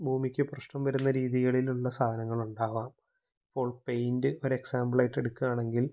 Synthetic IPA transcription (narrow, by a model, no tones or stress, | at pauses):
bʱuːmikʲːɨprɐʂʈɐmʋɐɾunːɐɾiːðiɣɐɭiluɭːɐsaːd̪ʱɐnɐŋːɐɭuɳɖaːʋaːm | ipːo̞ːɭpejndɨʔo̞ɾe̞ksaːmbɐɭaːjʈːe̞ɽukːuaːɳe̞ŋɡil